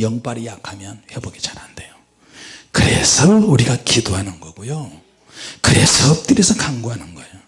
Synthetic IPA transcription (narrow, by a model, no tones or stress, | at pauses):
jʌŋp͈aɾijakʰamjʌnɸebʌɡit͡ɕaɾandejo | kɯɾḛsʰʌuɾiɡakidoɦanɯnɡʌɡojo | kɯɾḛsʰʌp̚t͈ɯɾisʰʌkʰaŋɡoɦanɯnɡʌjo